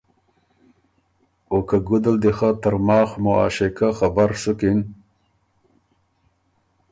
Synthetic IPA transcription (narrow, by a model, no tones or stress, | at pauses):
okaɡʊd̪ald̪exat̪əɾmɑːxmʊa̰ːʃekaxabaɾsʊkin